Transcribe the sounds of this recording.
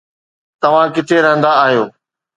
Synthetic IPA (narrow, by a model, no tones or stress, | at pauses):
t̪ɐʋ̤ãkɪt̪ʰeɾɐɦə̃nd̪aːɦijoː